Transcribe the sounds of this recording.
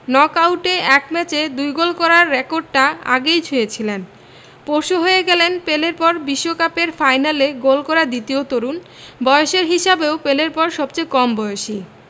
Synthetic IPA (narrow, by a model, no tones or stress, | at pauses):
nɔkawʈeɛkmɛt͡ɕed̪ujɡolkɔɾaɾːekoɾɖ̚ʈaa̰ɡejt͡ɕʰuet͡ɕʰilen | poɾʃoɦojeɡɛlenpeleɾpɔɾbiʃːokapeɾfajnaleɡolkɔɾad̪it̪iot̪oɾun | bɔeoʃeɾɦiʃabeopeleɾpɔɾʃɔbt͡ɕejkɔmbɔjoʃi